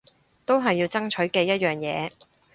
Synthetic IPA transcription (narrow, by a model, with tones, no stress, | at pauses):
t̪o˥wɦɐ˨jːiː˧wt͡sɐ˥ŋt͡ʃʰɵ˨˥ɥkɛː˧jɐ˥t̚jœː˨ŋjɛː˨˧